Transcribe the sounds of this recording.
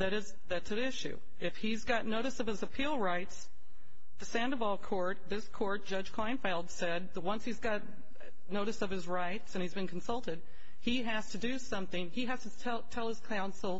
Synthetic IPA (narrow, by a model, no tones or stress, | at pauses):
ðɨɾɨz | ðɨtsɨɪʃʉ̰ | ɨfhizɡɑtⁿnoʊɾɨsʌv̥ɨzɨpʰilˠɹaɪts | ðɨsæ̃ndəvɑlˠkʰɔɹt̪̚ðɪskʰɔɹt̚d̥ʒ̥ʌd̥ʒ̥kʰl̥ãɪ̃nfeɪlˠdsɛd̪̚ðət̚wʌ̃nshizɡɑt̚ⁿ | noʊɾɨsʌv̥ɨzɹaɪtsɨ̃nizbɨ̃nkʰn̩sʌlˠtɨd̚ | i | æstʰɨdɨsʌ̃mθɪ̃ŋiæz̥tɨtʰɛtʰɛlˠəz̥kʰãʊ̃nsl̩ˠ